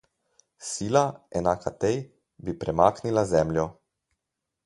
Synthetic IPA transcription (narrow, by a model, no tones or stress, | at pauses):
siːlaɛnaːkʰat̪ej | bipɾɛmaːknilazɛːmlʲjɔ